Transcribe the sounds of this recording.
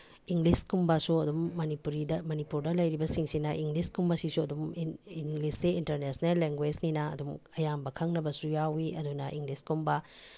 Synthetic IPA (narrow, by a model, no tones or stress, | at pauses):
iŋɡliskumbasuɐdumːɐnipuɾidɐmɐnipuɾdɐlɐjɾibɐsiŋsinɐʔiŋɡliskumbasisuɐdumiŋlisːeintɐɾnesnelːeŋɡwed͡ʒninɐɐ̰dumɐjambɐkʰɐŋnɐbɐsujawiɐdunɐʔiŋɡliskumba